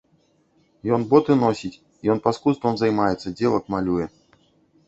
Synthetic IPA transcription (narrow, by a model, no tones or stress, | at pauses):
jɔnbɔt̪ɨnɔsʲit͡sʲ | ijɔnpaskust̪vɐmzajmajɛt̪sːɐd͡zʲelˠɐkmalʲujɛ